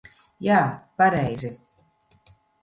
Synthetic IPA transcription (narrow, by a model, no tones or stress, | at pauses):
jaːpaɾɛjzi